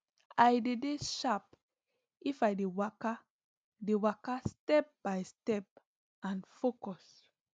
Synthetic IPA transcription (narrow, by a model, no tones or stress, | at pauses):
ajdedeʃap̚ | ifajdewaka | dewakastɛp̚b̥ajstɛp̚ | ãnfokɔs